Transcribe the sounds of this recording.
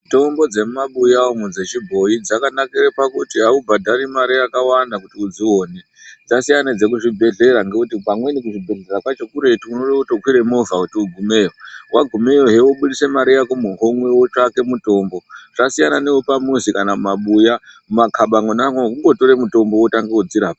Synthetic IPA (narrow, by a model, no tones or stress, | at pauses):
to̞mbo̞d͡ze̞mumaɓujaomud͡zet͡ʃibʱo̞jid͡zakanakiɾepakutiɦaubʱadʱaɾimaɾiakawandakutiud͡ziwoːne | d͡zasijanad͡ze̞kuʐibʱe̞ɮe̞ɾaŋɡekutipamwe̞nik̬uʐibʱe̞ɮe̞rakwat͡ʃokuɾe̞tiunoɗekutokʰwiɾe̞movakutiuɡʱume̞ːwowaɡʱume̞oɦe̞woɓuɗise̞maɾijakomuɦomwe̞wot͡ʂake̞muto̞ːmbo̞ʐasijanane̞wopamusikanamumaɓujamumakʰaɓaŋɡonaŋookuŋɡo̞to̞ɾemuto̞mbo̞wotaŋɡeod͡ziɾaːpa